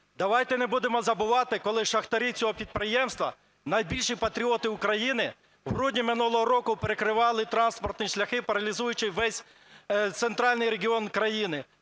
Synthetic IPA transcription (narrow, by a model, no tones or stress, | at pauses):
d̪ɐʋɑjt̪ɛnebud̪emɔzɐbʊʋɑt̪ɪkɔlˠɪʃɐxt̪ɐɾʲit͡sʲɔɦɔpʲid̪̚pɾɪjɛmst̪ʋɐ̰ | nɐjbʲilʲʃijpɐt̪ɾʲiɔt̪ɪʊkɾɐjinɪ | wɦɾudʲnʲimɪnulˠɔɦɔɾɔkʊpeɾekɾɪʋɑlˠɪt̪ɾɑnspɔrt̪nʲiʃlʲɐxɪpɐɾɐlʲizujʊt͡ʃɪʋɛsʲ | t̪sent̪ɾɑlʲnɪjɾeɡʲiɔnkɾɐjinɪ